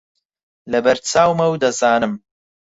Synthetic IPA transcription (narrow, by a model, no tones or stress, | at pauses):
lɐbɐɾt͡sʰaːwmɐwd̪ɐzaːnɨm